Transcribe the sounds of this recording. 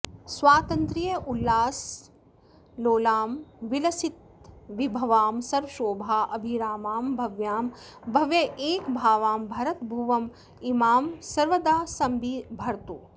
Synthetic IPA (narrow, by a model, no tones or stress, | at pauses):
sʋaːt̪ɐnt̪ɾijɐʔulːaːs | loːlaːmʋilɐsit̪̚ | ʋibʱɐʋaːmsɐɾʋɐʃoːbʱaːʔɐbʱiɾaːmaːmbʱɐʋjaːmbʱɐʋjɐʔeːkbʱaːʋaːmbʱɐɾɐt̪bʱuʋɐm | imaːmsɐɾʋɐd̪aːsɐmbibʱɐɾt̪u